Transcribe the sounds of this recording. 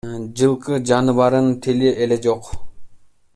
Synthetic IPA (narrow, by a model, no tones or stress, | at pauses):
d͡ʒɯlˠqɯd͡ʒɑnɯβɑɾɯnt̪ʰiliele̞d͡ʒo̞q